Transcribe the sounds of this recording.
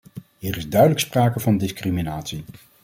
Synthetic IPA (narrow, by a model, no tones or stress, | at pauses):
ɦiːrɪzdœɥdələkspraːkəvɑndɪskriminaːtsi